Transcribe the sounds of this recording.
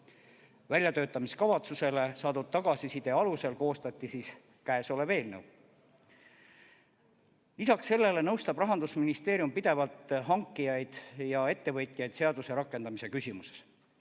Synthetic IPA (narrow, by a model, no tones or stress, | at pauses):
vælʲjɑt̪øːt̪ːˑɑmiskɑvɑt̪suse̞le̞sɑːd̪ud̪̥̚t̪ɑɡ̥ɑsisid̪̥e̞ɑluse̞lko̞ːst̪ɑt̪ʲːˑisiːs | kæeso̞le̞ve̞ːlnḛw | lisɑksːe̞lːe̞le̞nɤwst̪ɑbrɑɦɑnd̪usminist̪e̞ːɾjumpid̪̥e̞vɑlt̪ɦɑŋkˑːijɑjd̪̥jɑe̞t̪ːe̞vɤjt̪ʲːˑijɑjd̪se̞ɑd̪use̞ɾɑkːˑe̞nd̪̥ɑmise̞kysʲimuse̥s